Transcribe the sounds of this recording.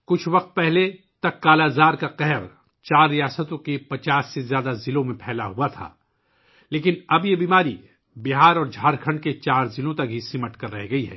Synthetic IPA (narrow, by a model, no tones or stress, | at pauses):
kʊt͡ʃʰʋɐqt̪̚pɛɦle | t̪ɐkːaːlazaːɾkaqɛɦɛɾ | t͡ʃaːɾːijaːsət̪õkepɐt͡ʃaːsːezjaːd̪azɪlõmẽpʰɛːlaɦuat̪ʰa̰ː | leːkɪnɐbjebiːmaːɾi | bɪɦaːɾɔːɾd͡ʒʱaːɾkʰɐ̃ɳɖket͡ʃaːɾzɪlõt̪ɐk̚ɦisɪməʈkɐɾːɛɦɡɐiɦɛ̰ː